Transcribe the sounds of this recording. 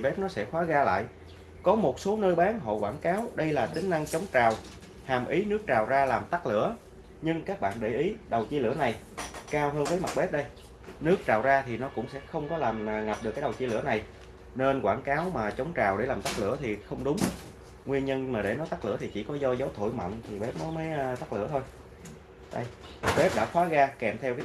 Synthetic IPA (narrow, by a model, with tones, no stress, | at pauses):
ɓe˦˥p̚nɔ˨˦sɛ̰˧˥xwaː˨˦ɣaː˧la̰ː˧˨j | kɔ˨˦mo˨˩t̚so˨˦nəː˧jɓaː˨˦nɦo̰˧˨kwaː˧˩nkaː˨˦wɗə˧jlaː˨˩t̪ï˨˦ŋ̟na˧ŋt͡ɕə˨˦wŋ͡mt͡ɕaː˨˩w | haː˨˩mʔi˨˦nɨ˦˥ək̚t͡ɕaː˨˩wzaː˧laː˨˩mt̪a˦˥k̚lɨ̰˧˥ə | ɲɨ˧ŋkaː˦˥k̚ɓa̰ː˧˨nɗe˧˩jʔi˨˦ɗə˨˩wt͡ɕi˧lɨ̰˧˩əna˨˩j | kaː˧wɦəː˧nvəː˨˦jma˨˩t̚ɓe˦˥p̚ɗə˧j | nɨ˦˥ək̚t͡ɕaː˨˩wzaː˧t̪ʰi˨˩nɔ˨˦kʊ̰˧˥ŋ͡msɛ̰˧˥xə˧wŋ͡mkɔ˨˦laː˨˩m˨˩ŋa˨˩p̚ɗɨ˨˩kːə˨˩wt͡ɕi˧lɨ̰˧˩əna˨˩j | ne˧nkwaː˧˩nkaː˨˦wmaː˨˩t͡ɕə˨˦wŋ͡mt͡ɕaː˨˩wɗe˧˩laː˨˩mt̪a˦˥k̚lɨ̰˧˥ət̪ʰi˨˩xə˧wŋ͡mɗʊ˨˦ŋ͡m | ŋwi˧ənɲə˧nmaː˨˩ɗe˧˩nɔ˨˦jt̪a˦˥k̚lɨ̰˧˥ət̪ʰi˨˩t͡ɕḭ˧˩kɔ˨˦zɔ˧zə˨˦wt̪ʰo̰˧˩˨jmə̰˧˨nt̪ʰi˨˩ɓe˨˦˥p̚nɔ˨˦məː˨˦jt̪a˦˥k̚lɨ̰˧˩˥ət̪ʰo˧j | ɗə˧jɓe˦˥p̚ɗa̰ː˧˥xwaː˨˦ɣaː˧kɛ˨˩mt̪ʰɛ˧wkː